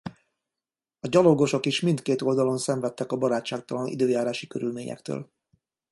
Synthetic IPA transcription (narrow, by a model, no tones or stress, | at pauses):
ɒɟɒlo̞ɡo̞ʃo̞kiʃmint̪keːt̪o̞ld̪ɒlo̞nsɛɱvɛt̪ːɛkɒbɒɾaːt͡ʃːaːk̚t̪ɒlɒnʔḭd̪øːjaːɾaːʃikø̰ɾylmeːɲɛ̰kt̪ø̰ːl